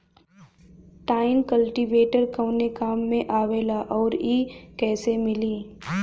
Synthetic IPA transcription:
ʈaːɪnkəlʈiʋeːʈəɾkɐ̃ːnekaːmːẽʔaːʋeːlaʔɔːɾiːkɛːsemɪliː

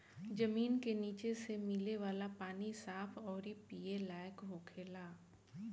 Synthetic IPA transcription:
d͡ʒɐmiːnkeniːt͡ʃesemɪleʋaːlapaːnisaːpʰɔːɾipiːelaːjəkɦoːkʰeːlaː

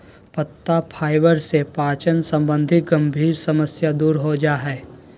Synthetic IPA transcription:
pət̪ːapʰaːɪbəɾsepaːt͡ʃənsə̃mbə̃nd̪ʱɪt̪ɡə̃mbʱiːɾsɐməsjad̪uːɾɦod͡ʒaːɦɛː

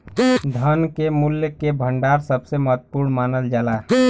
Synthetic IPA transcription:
d̪ʱənkemuljkebʱəɳɖaɾsəbʱsemət̪puɾnmanəld͡ʒala

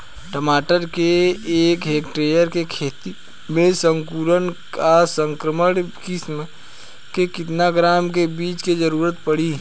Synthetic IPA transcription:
ʈəmaːʈəɾkeːkɦeːkʈɾeːjəɾkekʰeːt̪i | mẽsə̃ŋkuːɾənkasə̃ŋkɾəməɽkɪsm | kekɪt̪naɡɾaːmk̬ebiːt͡ʃked͡ʒəɾuːɾət̪̚pəɽiː

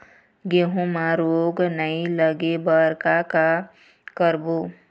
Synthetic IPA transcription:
ɡeɦũmaɾoːɡnəiləɡebəɾkaka | kəɾbo

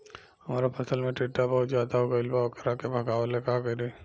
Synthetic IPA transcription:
hɐmaːɾapʰɐsəlmẽʈiːʈːabɔɦʊt̪zjaːd̪aɦoːɡaɪlbaːkəɾakebʱɐɡaːʋalekaɡəɾi

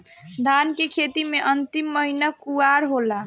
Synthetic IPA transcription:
d̪ʱankekʰet̪imeʔənt̪imːəɦinəkuaɾɦola

